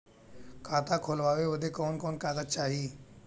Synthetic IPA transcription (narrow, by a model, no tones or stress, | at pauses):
kʰat̪akʰolʋaʋeʋəd̪ʱekoːnkoːnkaɡ̪ət͡ʃaɦiː